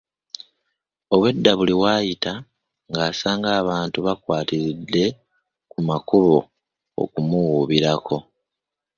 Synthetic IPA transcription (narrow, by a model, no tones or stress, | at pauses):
o̞βwe̞dːaβuliwaːjita | ŋɡaːsaːŋɡaːβaːntuβakwaːtiɾidːe̞ | kumakuβo | o̰kumuwuβiɾakʰo̞